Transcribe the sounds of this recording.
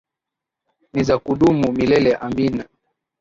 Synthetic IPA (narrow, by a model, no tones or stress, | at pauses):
nizakuɗumumilɛlɛʔambina